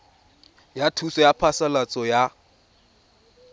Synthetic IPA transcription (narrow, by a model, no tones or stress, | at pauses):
jatʰusɔjapʰasalat͡sʼɔja